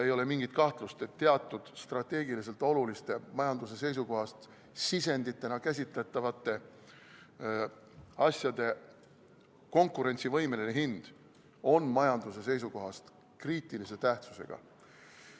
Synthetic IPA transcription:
e̞jo̞le̞miŋɡ̥it̪̚kɑht̪lust̪e̞t̪ːe̞ɑt̪ːˑud̪̥st̪rɑt̪ːˑe̞ːɡilis̬e̞lt̪ːˑo̞lulist̪e̞mɑjɑnd̪us̬e̞se̞js̬uko̞ɦɑst̪ | sise̞nd̪̥it̪ːˑe̞nɑkæs̬ʲit̪ˑːæt̪ˑːɑvɑt̪ːˑe̞ | ɑsʲjɑd̪e̞ | ko̞ŋkuɾe̞nʲt̪sivɤjmeneneɦind̪̥ | o̞nmɑjɑnd̪̥use̞s̬e̞jsuko̞ɦɑst̪ | kriːt̪ːˑilise̞t̪æht̪su̥se̞̰ɡ̥ɑ̰

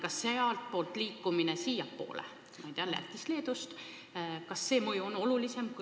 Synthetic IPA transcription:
kɑsːeɑlt̪̚po̞ːlt̪liːkːˑuminesijɑpːo̞̰ːlḛ | mɑjt̪eɑlæ̰t̪ʲːˑisle̞ːd̪ust̪ | kɑsːe̞ːmɤjuono̞lulise̞mku

